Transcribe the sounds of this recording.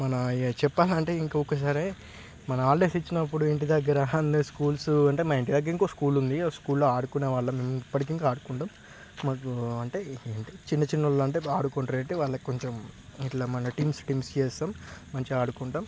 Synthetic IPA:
mɐnɐt͡ʃɛpːaːlɐɳʈe̞ːiŋkːɔkːɐs̬aːɾe | mɐnɐaːɾɖeːsit͡ʃːinɐpːuɽueɳʈid̪ɐɡːɐɾɐnd̪eskuːlsuɐɳʈe̞ːmaeɳʈid̪ɐɡːɐɾiŋkoːskuːlund̪iskuːlloːaːɽukuneːʋaːɭːɐmemɐipːɐʈikiŋkaaːɽukuɳʈaːmː | aːkuɐɳʈe̞ːeːɳʈit͡ʃinːɐt͡ʃinːɐloːɐɳʈeːaːɽukoɳʈɐɾeːɳʈeʋaːɭːɐkoɲt͡ʃemiʈlaːmɐnɐʈiːmsʈiːmst͡ʃeːsaːmːɐɲt͡ʃiaːɽukuɳʈaːm

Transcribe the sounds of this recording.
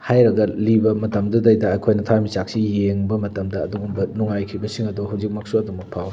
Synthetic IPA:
hajɾɐɡɐlibɐmɐtɐmdɐdɐjdɐːjkʰojnɐtʰamit͡ʃak̚sijeŋbɐmɐtɐmdɐːd̪uɡumbɐnuŋajkʰibɐsiŋɐduɦawzik̚mɐk̚suɐdomɐk̚pʰaw

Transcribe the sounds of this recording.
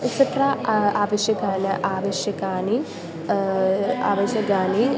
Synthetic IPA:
iksɐʈɾaːaːʋɐʃjɐkaːnɐʔaːʋɐʃjɐkaːni | a̰ːʋɐʃjɐkaːni

